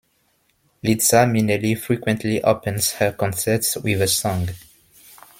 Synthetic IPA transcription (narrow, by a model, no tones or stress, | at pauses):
litsamĩnəlifɹikwə̃ntʰliʔopɨ̃nz̥həkɔ̃nsə˞tswɪðəsɔ̃ŋ